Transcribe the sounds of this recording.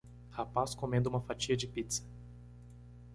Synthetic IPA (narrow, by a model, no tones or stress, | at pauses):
hapaskõmẽnd̪ʊumɐfat͡ʃiɐd͡ʒɪpit̪sɐ̥